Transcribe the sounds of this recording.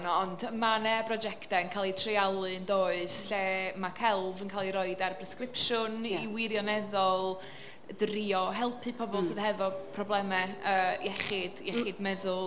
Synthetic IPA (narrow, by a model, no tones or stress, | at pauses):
nɔndəmanɛbrɔd͡ʒɛktɛənkʰaːlˠitʰrɪalˠɨndoːɨsɬeːmakʰɛlˠvənkʰaːlˠiɾɔɨdarpʰrɛskrɪpʃʊniwɪɾjɔnɛðɔlˠ | driɔɦɛlˠpʰɨpʰɔbɔlˠsɨð̥hɛvɔpʰrɔblˠɛmɛəːjɛχɪd̥jɛχɪdmɛðʊlˠ